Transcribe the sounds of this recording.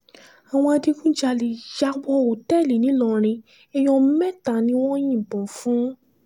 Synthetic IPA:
a˨w̃ɔ̃˧a˧di˧kũ˦d͡ʒa˧˨li˨d͡ʒa˨˦ɡ͡bɔ˧˦˨o˨tɛ˦˨li˨nĩ˨˦lɔ̃˨˧˨ɾ̃ĩ˧ | ɛ˧j̃ɔ̃˧˦mɛ˦˨ta˨nĩ˦w̃ɔ̃˦j̃ĩ˦˨bɔ̃˨fũ˨˦

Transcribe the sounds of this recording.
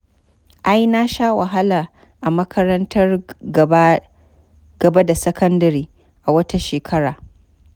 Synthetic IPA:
ʔa˦jna˦ʃaː˦wɐ˨ɦa˦laː˨ | ʔa˨mɐ˦kʰɐ˦ɾɐ˦ntʰɐ˦r | ɡ̥ɐ˨ba˦da˨sɐ˦kʰɐ˦ndɐ˨ɾiː˦ | ʔa˨wɐ˦ta˦ʃeː˨kʰɐ˦ɽaː˨

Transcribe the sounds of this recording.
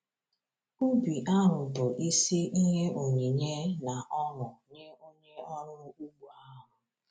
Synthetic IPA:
u˦bi˨ʔa˦ɾʊ˨bʊ˨ʔi˦si˦ʔi˦ɦe˦ʔo˨ɲi˨ɲe˦na˨ʔɔ˦ɾʊ˨ɲe˦o˦ɲe˦ɔ˦ɾʊ˦u˦ɡ͡bu˨a˦ɾʊ˨

